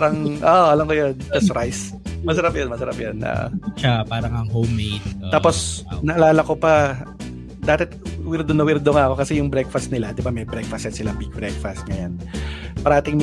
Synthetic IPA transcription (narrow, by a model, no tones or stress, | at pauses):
ɾɐŋʔoʔʔɐlɐmkojond͡ʒɐsɾajs | mɐsɐɾapjɐnmɐsɐɾɐpjonʔo̰ʔʃapaːɾɐŋɐŋɦowmːejt̪̚t̪aːposnɐʔɐlaːlɐkopɐ | d̪aːt̪ɛt̪wɪɾd̪onɐwɪɾd̪oŋaʔɐko̞kɐsɛjʊŋbɾɛk̚fɐst̪nɪlad̪ɪbamɐjbɾɛkfɐsɛt̪sɪlaŋbiɡ̚bɾɛk̚fɐst̪̚ŋɐjanpɐɾɐʔaːt̪ɪŋm